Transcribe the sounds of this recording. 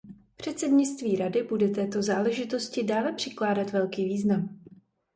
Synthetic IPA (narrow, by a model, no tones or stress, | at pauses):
pr̝̥ɛt̪sɛdɲɪt͡st̪viːɾadɪbudɛt̪ɛːt̪o̞zaːlɛʒɪt̪o̞scɪdaːlɛpr̝̥ɪklaːdat̪vɛlkiːviːznam